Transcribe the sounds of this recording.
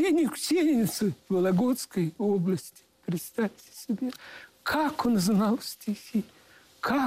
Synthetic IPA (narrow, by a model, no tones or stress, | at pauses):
enʲɪksʲelʲnʲɪt̪sɨvɐlˠɐɡot̪skəjoblˠəsʲtʲɪ̥pɾʲɪt̪st̪afʲtʲɪ̥sʲɪbʲe | kʰakʰonznalˠsʲtʲixʲi | kʰa